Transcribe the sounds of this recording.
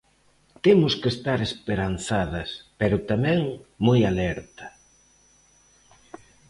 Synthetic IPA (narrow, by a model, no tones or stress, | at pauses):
t̪emʊskest̪aɾespeɾan̟θaðɐspeɾʊt̪amɛ̃ŋmojalɛɾt̪ɐ̥